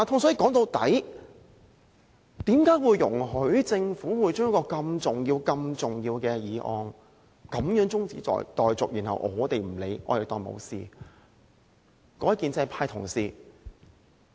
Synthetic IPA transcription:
a˨˩t̪ʰʊ˥ŋsɔː˨˥ji˧˩kɔː˨˥ŋt̪o˧wt̪ɐ̰˨˥j | t̪iː˨˥mkaː˨˥jwuː˨˧jːʊ˨˩ŋɦɵ˨˥ɥt͡sɪ˧ŋfuː˨˥wuː˨˧jt͡ʃœː˥ŋjɐ˥kːɔː˧kɐ˧mt͡sʊ˨˩ŋjiː˧wkɐ˧mt͡sʊ˨˩ŋjiː˧wkɛː˧jiː˨˧ʔɔː˨˧n | kɐ˨˥mjœː˨˥ŋt͡sʊ˥ŋt͡sḭː˨˥˨jt̪ɔː˨jt͡sʊ˨k̚jy˨˩nhɐ̰˨wʔɔː˨˧t̪e˨jm̩˨˩le˨˧jʔɔ̰ː˨˧t̪e˨˩t̪ɔː˨jmo̰˨˧wsḭː˨ | kɔː˧˥jɐ˥tkːiː˨nt͡sɛ˧˥˧pʰaː˧jt̪ʰʊ̰˨˩ŋsiː˧

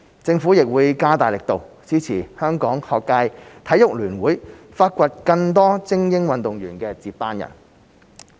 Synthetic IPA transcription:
t͡sɪ˧ŋfu˨˥jɪ˨k̚wuː˨˧jkaː˥t̪aː˨˩jlɪ˨k̚t̪o˨w | t͡siː˥t͡sʰiː˨˩hœː˥ŋkɔː˨˥ŋhɔː˨˧kːaː˧jt̪ʰɐ˨˥jʊ˨k̚lyː˨˩nwuː˨˥j | faː˧t̚kʷɐ˧t̚kɐ˧ŋt̪̬ɔː˥t͡sɪ˥ŋjɪ˥ŋwɐ˨nt̪ʊ˨ŋjyː˨˩nkɛː˧t͡siː˧p̚paː˥njɐ̰˨˩n

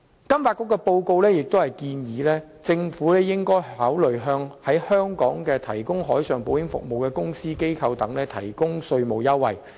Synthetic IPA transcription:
kɐ˥mfaː˧t̚kʊ˥kːɛ˧po˧wko˧wlɛː˥jɪ˨k̚t̪o˥hɐ˨jkiː˧njiː˨˥lɛː˥ | t͡sɪ˧ŋfuː˨˥lɛː˥jɪ˥ŋkɔː˥jhaː˨˥wlɵ˨ɥɦœː˧ŋhɐ˨˥jhœː˥ŋkɔː˨˥ŋkɛː˧t̪ʰɐ˨˩jkʊ˥ŋɦɔː˨˥jsœː˨ŋpo˨˥wjɪ˨˥ŋfʊ̰˨k̚mo˨wkɛː˧kʊ˥ŋsiː˥ke˥jkʰɐ˧wt̪ɐ˨˥ŋlɛː˥t̪ʰɐ̰˨˩jkʊ˥ŋsɵ˧ɥmo˨˩wjɐ˥wːɐ̰˨˩j

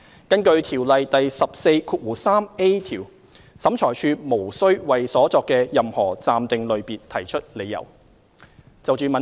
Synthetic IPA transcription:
kɐ˥nkɵ˧ɥt̪ʰiː˨˩wlɐ˨jt̪ɐ˨jsɐ˨p̚se˧jkʰuː˧t̚wuː˨˩saː˥me˥t̪ʰiː˨˩w | sɐ˨˥mt͡ʃʰɔː˨˩jt͡ʃʰyː˧mo˨˩wsɵ˥ɥwɐ˨jsɔː˨˥t͡sɔː˧kːɛː˧jɐ˨mhɔː˨˩t͡saː˨˧mt̪ɪ˨ŋlɵ˨˧ɥpiː˨nt̪ʰɐ˨˩jt͡ʃʰɵ˥t̚le˨˧jɐ̰˨˩w | t͡sɐ˨wt͡ʃyː˨˧mɐ˨

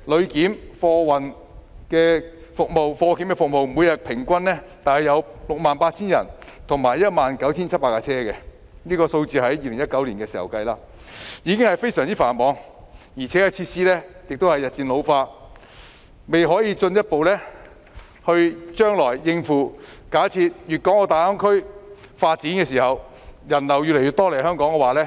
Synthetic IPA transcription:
lɵ˨˧ɥkiː˨˥mfɔː˧wɐ˨n | kɛː˧ | fʊ˨k̚mo˨wfɔː˧kiː˨˥mkɛː˧fʊ˨k̚mo˨wmu˨˧jɐ˨t̚pʰɪ˨˩ŋkʷɐ˥nlɛː˥t̪aː˨˩nhɐ˨jɐ˨˧wlʊ˨k̚maː˨npaː˧t̚t͡sʰiː˥njɐ̰˨˩nt̪ʰʊ˨˩ŋmaː˨˩jːɐ˥t̚maː˨nkɐ˨˥wt͡sʰiː˥nt͡sʰɐ˥t̚paː˧˥kːaː˧t͡sʰɛː˥kɛ˧ | niː˥kɔː˧so˧wt͡siː˨hɐ˨˥jjiː˧lɪ˨˩ŋjɐ˥t̚kɐ˨˥wliː˨˩nkɛː˧siː˨˩hɐ̰˨˩wkɐ˧jlaː˧ | jiː˨˧kɪ˥ŋhɐ˨jfe˥jsœː˨˩ŋt͡siː˥faː˨˩nmɔː˨˧ŋ | jiː˨˩t͡sʰɛ˨˥kɛ˧t͡sʰiː˧t̚siː˥lɛː˥jɪ˨k̚t̪o˥whɐ˨jɐ˨t̚t͡siː˧nlo˨˧wfaː˧ | me˨jɦɔː˨˥jiː˨˧t͡ʃɵ˧njɐ˥t̚po˨wlɛː˥ | hɵ˧ɥt͡ʃœː˥ŋlɔː˨˩jːɪ˧ŋfuː˨ | kaː˨˥jt͡sʰiː˧t̚jyː˨t̚kɔː˨˥ŋɔː˧t̪aː˨˩ɐ˥ŋkʰɵ˥ɥfaː˧t̚t͡siː˨˥nkɛ˧siː˨˩hɐ˨w | jɐ˨˩nlɐ˨˩wjyː˨le˨˩jɥyː˨t̪ɔː˥le˨˩jhœː˥ŋkɔː˨˥ŋkɛ˧waː˨˩lɛː˥

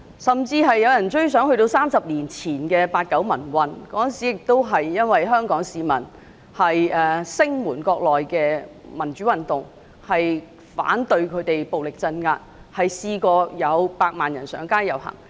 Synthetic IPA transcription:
sɐ˨˩mt͡siː˧ɦɐ˨jːɐ˨˧wjɐ˨˩nt͡ʃɵ˥ɥsœː˨˥ŋhɵ˧t̪o˧wsaː˥msɐ˨p̚liː˨˩nt͡sʰiː˨˩nkɛː˧paː˧t̚kɐ˨˥wmɐ˨˩nwɐ˨nkɔː˨˥ə˨nsi˨˥jɪ˨k̚t̪o˥wɦɐ˨jːɐ˥nwɐ˨jɦœː˥ŋkɔː˨˥ŋsiː˨˧mɐ˨˩n | hɐ˨jʔɛ˨˩sɪ˥ŋmuː˨˩nkɔː˧k̚lɔː˨jkɛː˧mɐ˨˩nt͡ʃyː˨˥wɐ˨nt̪ʊ˨ŋ | hɐ˨j | fa̰ː˨˥nt̪ɵ˧ɥkʰɵ˨˧ɥt̪e˨jpo˨wlɪ˨˩k̚t͡sɐ˧nŋaː˧t̚hɐ˨jsiː˧kɔː˧jɐ˨˧wpaː˧k̚maː˨njɐ˨˩nsœː˨˥ŋkaː˥jɐ˨˩whɐ̰˨˩ŋ

